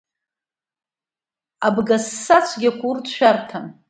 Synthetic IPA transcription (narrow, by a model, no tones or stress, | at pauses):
abɡasːat͡sʷʰɡʲakʷʰʼurtʃʷᶣartʰan